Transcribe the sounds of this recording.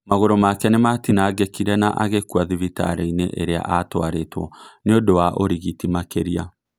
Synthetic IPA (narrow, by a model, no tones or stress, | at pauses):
maɣoɾomakɛnematinaːɡekiɾɛnaʔaɣekuaðivita̰ɾeinḛʔeɾea̰ʔatwaɾetwɔneodowaʔoɾiɣitimakeɾia